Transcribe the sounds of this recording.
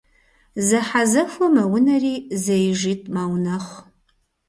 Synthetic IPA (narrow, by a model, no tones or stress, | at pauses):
zɐħazɐfʷɐmɐwʊnɐriːzɐjʒiːtʼmaːwnɐχʷ